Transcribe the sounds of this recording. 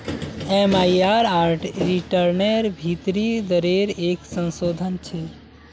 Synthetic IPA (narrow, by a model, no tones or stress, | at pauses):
emaiaɾaɾʈɾiʈəɾneɾbʱit̪ɾid̪əɾeɾeksə̃nsod̪ʱənt͡ʃʰe